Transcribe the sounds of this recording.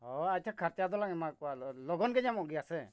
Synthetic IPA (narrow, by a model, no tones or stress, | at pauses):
ɔac̚t̪ʰakʰaɾt̪ijad̪ɔlaŋɛmakɔalɔɡɔnɡɛɲamɔʔɡijasɛ